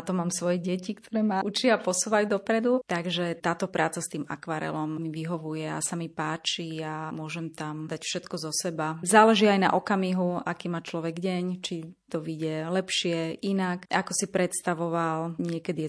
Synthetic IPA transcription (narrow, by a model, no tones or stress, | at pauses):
at̪ɔmaːmsʋɔjɛɟɛcikt̪ʰɔɾɛːmaʔut͡ʃɪaapɔsuːʋajud̪ɔpɾɛd̪ut̪aɡʒɛt̪aːt̪ɔpɾʔaːt͡sast̪iːma̰kʋaːɾɛ̰lɔmmiʋiɦɔʋujɛa̰samipaːt͡ʃiamʊɔʒɛmt̪amd̪acfʃɛt̪kɔzɔsɛbazaːlɛʒiajna̰ʔɔkamiɦuakiːmaːt͡ʃlɔʋɛɡɟɛɲt͡ʃit̪ɔʋiɟɛlɛpʃɪɛʔinakʔakɔsipɾɛt̪st̪aʋɔʋalɲɪɛkɛd̪iɛ